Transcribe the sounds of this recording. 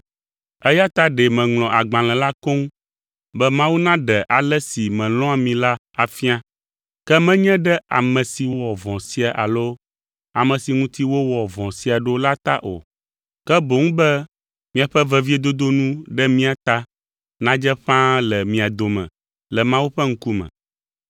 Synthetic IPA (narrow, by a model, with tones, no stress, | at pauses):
ɛ˦ja˦t̪a˦ɖɛ˨mɛ̃˨ŋlɔ̃˨ʔa˨ɡ͡bã˨lɛ̃˨la˦ko˦ŋ˦ | bɛ˦mã˦wu˦nã˦ɖɛ˨ʔa˨lɛ˦si˨mɛ̃˨lɔ̃˦a˨mĩ˨la˦ | a˨fi˦ã˦ | kɛ˦mɛ̃˦ɲɛ̃˦ɖɛ˦a̰˨mɛ̃˨si˨wwɔ˨vɔ̃˨si˦a˨ʔa̰˨lo˦ | a˨mɛ̃˨si˨ŋũ˦t̪i˦wo˦wɔ˨vɔ̃˨si˦a˨ɖo˦la˦t̪a̰˦ʔo̰˨ | kɛ˦bo˨ŋũ˦bɛ˦ | mĩ˦a˨ɸɛ˦vɛ˦vi˦e˦d̪o˦d̪o˦nũ˦ɖɛ˦mĩ˦a˨t̪a˦ | nã˦d͡ʒɛ˦ɸã˦lɛ˨mĩ˨a˨d̪o˨mɛ̰̃˨ | lɛ˨mã˦wu˦ɸɛ˦ŋ̩˦ku˦mɛ̰̃˨